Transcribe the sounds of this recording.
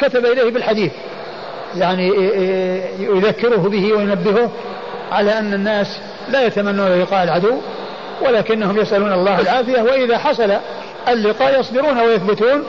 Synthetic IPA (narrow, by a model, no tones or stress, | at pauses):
kat̪abaʔɪlejːhbɪlħad̪iːθ | jaʕni | jʊðakːɪɾʊhbɪhɪwajʊnabːɪhʊh | ʕalaʔanːanːaːs | lajat̪amanːuːnlːɪqɑːʔɪlʕad̪ʊwː | walaːkɪnːahʊmjasʔaluːnɑlˤːɑːhalʕaːθɪjawaʔɪðaħɑsˤɑla | alːɪqɑːʔjɑsˤd̪ɪɾuːnawajaθbʊt̪uːn